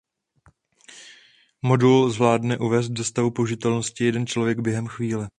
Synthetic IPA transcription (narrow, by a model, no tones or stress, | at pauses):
mo̞dulzvlaːdnɛʔuvɛːs̬t̪̚dost̪avupouʒɪt̪ɛlno̞scɪjɛdɛnt͡ʃlo̞vjɛɡbjɛɦɛmxviːlɛ